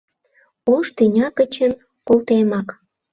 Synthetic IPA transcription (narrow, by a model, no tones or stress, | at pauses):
oʃt̪ynʲɑkət͡ɕən | kolt̪emɑk